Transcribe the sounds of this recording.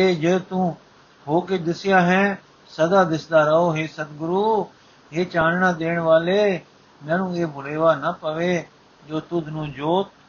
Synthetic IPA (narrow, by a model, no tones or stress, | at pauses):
eːd͡ʒeːt̪ũː | ɦoːked̪ɪsɪjaːɦɛ̃ː | səd̪aːd̪ɪsd̪aːɾəɦoːɦeːsət̪ɡʊɾuː | ɦeːt͡ʃãːnɳãːd̪eːɳ̃ʋaːleː | mɛ̃ːnũːeːbʊleːʋaːnəpəʋeː | d͡ʒoːt̪ʊd̪ʱnũːd͡ʒoːt̪̚